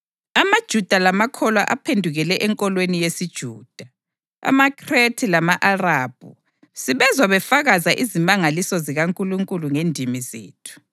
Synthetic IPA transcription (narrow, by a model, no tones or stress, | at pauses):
amad̥ʒ̥ʱud̥ʱalamakʰɔlwa̰ʔapʰendʱuɣɛlɛʔɛŋkʼɔlwenijesid̥ʒ̥ʱuːd̥ʱa | a̰makʰʼretʰilamaʔarab̥̚ʱṵ | siβɛzwaβɛfaɣazaʔizimaŋalisɔziɣaŋkʼuluŋkʼuluŋendʱimizḛːtʰu̥